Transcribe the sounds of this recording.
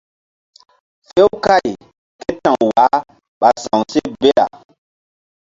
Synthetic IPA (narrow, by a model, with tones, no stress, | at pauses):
fe˦wka˦˨j | ke˦tã˨wwa˨˦ | ɓa˨sã˨wse˦be˦la̰˨